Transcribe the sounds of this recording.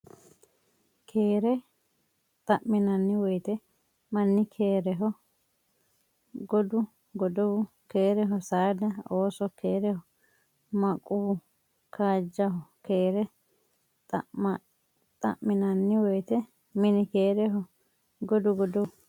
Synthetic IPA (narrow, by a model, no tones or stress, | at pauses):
kʰeːɾɛ | t̪ʼɐʔmɪnɐnːɪwɔjt̪ɛ | mɐnːɪkʰeːɾɛɦɔ | ɡɔd̪ʊ | ɡɔd̪ɔwʊ | ke̞ːɾɛɦɔsaːd̪ɐoːsɔkeːɾɛhɔ | mɐkʼu | kʰaːd͡ʒːɐɦɔkeːɾɛ | t̪ʼɐ̰ | t̪ʼɐ̰ʔmːɪnɐnːɪwɔjt̪ɛ | mɪnɪkeːɾɛɦɔ | ɡɔd̪ʊɡɔd̪ɔ